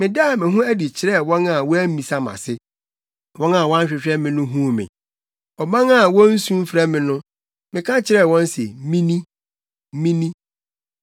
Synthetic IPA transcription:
mɪ̃˨da˦˨mɪ̃˨ɦʊ̃˦æ˦di˨t͡ɕʰɪ˨˦ɾɛ˦˨wɔ̃˦na˨wɔ˦æ˦m˦mĩ˨sa˦mã̰˨sɪ˦ | wɔ̃˦na˨wɔ˦ã˦ɕᶣɪ˨ɕᶣɛ˦mɪ̃˨nʊ̃˦ɦũ˦mɪ̰̃˨ | ɔ˨mã˦ŋa˦˨wɔ̃˦n̩˦sũ˦m˦fɾɛ˦mɪ̃˨nʊ̃˦ | mɪ̃˨kʰã˦t͡ɕʰɪ˨ɾɛ˦˨wɔ̃˦n˦sɛ̰˨mĩ˦nĩ˦ | mĩ˦nĩ˦

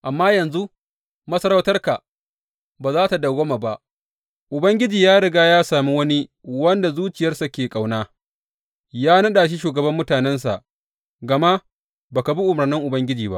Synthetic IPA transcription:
ʔa˨mːaː˦jɐ˨nzu˦ | mɐ˦sɐ˦ɾa˦wtɐ˦rka˨ʔ | baː˨zaː˦ta˨da˨ɡo˦ma˨ba˦ʔ | ʔʊ˨bɐ˦ŋɡʲɪ˦d͡ʒiː˨jaː˦ɽɪ˨ɡaː˦jaː˦saː˨mi˦wɐ˦ni˦ | wɐ˦nda˨zuː˦t͡ʃɪ˨jɐ˦rsa˨kʲeː˨kʼa˨wnaː˦ | jaː˦nɐ˦ɗaː˨ʃ̬i˦ʃuː˨ɡɐ˨bɐ˦mːʊ˦taː˨nɛ˦ns̬a̰˨ʔ | ɡɐ˨ma˦ | baː˨ka˨bi˦ʔʊ˨mɐ˨rnɪ˦ŋʔʊ˨bɐ˦ŋɡʲɪ˦d͡ʒiː˨ba̰˦ʔ

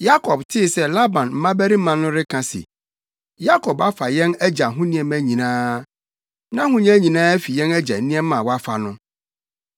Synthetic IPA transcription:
ja˦kʰɔ˨b̚tʰɪ˦˨sɛ˦la˦bã˨nm̩˦mã˦bæ˦ɾi˦m̩˦mã˨nʊ̃˦ɾɪ˦kʰã˨sḭ˨ | ja˦kʰɔ˨ba˦fa˨jɛ̃˦næ˦d͡ʑa˨ɦʊ̃˦nĩ˦ɛ̃˨mæ̃˦ɲĩ˨nãː˦ | nã˦ɦʊ̃˦ɲ̃˦æ˦ɲĩ˨nãː˦æ˦fi˨jɛ̃˦næ˦d͡ʑa̰˨˦nĩ˦ɛ̃˦ã˨wɔ˦a˦fa̰˨nʊ̃˦

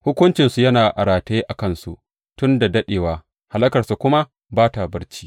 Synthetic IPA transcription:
hʊ˦kʷʊ˦nt͡ʃɪ˨nsu˨jɐ˦naː˨ʔa̰˨ɾaː˨teː˦ʔa˨kɐ˦nsu˨ | tʊ˦nda˨dɐ˦ɗeː˨waː˨ | ha˨lɐ˦kɐ˨rsu˨kʷʊ˦ma˦ | baː˦ta˨bɐ˦ɽt͡ʃiː˦

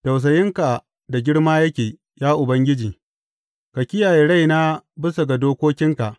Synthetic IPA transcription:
ta˨ws̬ɐ˨jɪ˦ŋka˨ | da˨ɡʲɪ˦ɽmaː˦jɐ˦kʲeː˨ | jaː˦ʔʊ˨bɐ˦ŋɡʲɪ˦d͡ʒiː˨ | ka˨kʲɪ˦jaː˨jeː˦ɽa˦˨jna˦bɪ˦sa˨ɡa˨doː˦kʷoː˦kʲɪ˦ŋka˨ʔ

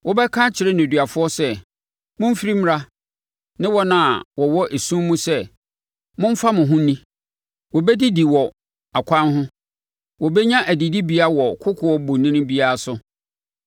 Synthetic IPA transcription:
wɔ˦bɛ˦kʰã˦t͡ɕʰɪ˨ɾɛ˦nʊ̃˨dɥa˨fʊ˦ɔ˦sɛ˦ | mʊ̃˦m̩˦fi˦ɾi˦m˦ɾa˦ | nɪ̃˦wɔ˦nã˨wɔ˨wɔ˦ʔe˨sũ˦mũ˦sɛ˦ | mʊ̃˦m̩˦fa˦mʊ̃˨ɦʊ̃˦nĩ˦ | wɔ˨bɛ˦di˦di˨wɔ˨ | a˨kʷʰã˦nɦʊ̃˦ | wɔ˨bɛ˦ɲã˦ʔæ˨di˨di˦bi˦a˦wɔ˨kʰʊ˦kʰʊ˨ɔ˦bʊ˨nĩ˦nʊ̃˦bi˦a˦a˨sʊ˦

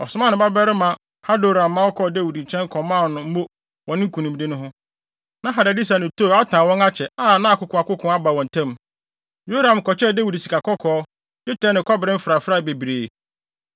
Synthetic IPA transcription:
ɔ̰˨sʊ˨mã˦nɪ̃˨ba˦bɛ˦ɾɪ˦mã˦ | ha˦do˨ɾã˨mː˦ã˦ɔ˦kʰɔ˦˨de˦wi˨dɲ̩˨t͡ɕʰɛ̃˦ŋ˦kʰɔ̃˨mã˦˨nʊ̃˨m̩˦mo˦ | wɔ̃˨nɪ̃˦ŋ̩˦kʰũ˨nũ˨m˦dɪ˦nʊ̃˦ɦʊ̃˦ | nã˦ɦa˨da˨di˦s̬a˨nɪ̃˨tʰo˦˨˦a˦tʰãː˨wɔ̃˦ŋa˦t͡ɕʰɛ˨a˦˨nã˦a˨kʊ˨kʰʊ̃˨a˨kʊ˦kʰʊ̃˦a˦ba˨wɔ̃˨n˨tʰɛ̃˦m | jo˦ɾã˨m˨kɔ˨t͡ɕɛ˦da˦wi˨dsi˨ka˨kɔ˦kʰɔː˦ | dɪ˦tʰɛ˦nɪ̃˨kʰɔ˦bɪ˨ɾɪ̃˦m̩˦fɪ˨ɾa˨fɾa˦˨be˨bi˨ɾeː˨

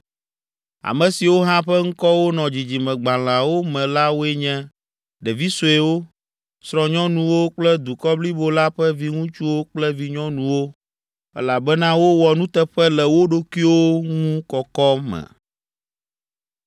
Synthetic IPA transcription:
a̰˨mɛ̃˨si˨wo˦ɦã˦ɸɛ˦ŋ̩˦kɔ˦wo˦nɔ̃˨d͡ʑi˨d͡ʑi˨mɛ̃˨ɡ͡ba˨l̃ã˨wo˦mɛ̃˨la˦wo˦e˦ɲɛ̃˦ | ɖɛ˨vi˦so˨e˦wo˦ | sɾɔ̃˨ɲɔ̃˦nũ˦wo˦k͡plɛ˦d̪u˨kɔ˦bli˦bo˦la˦ɸɛ˦vi˦ŋũ˦t͡ʃu˦wo˦k͡plɛ˦vi˦ɲɔ̃˦nũ˨wo˦ | ɛ̰˦la˨bɛ˦nã˦wo˦wɔ˨nũ˦t̪ɛ˦ɸɛ˦lɛ˨wo˦ɖo˦ki˦wo˦ŋũ˦kɔ˨kɔ˦mɛ̰̃˨

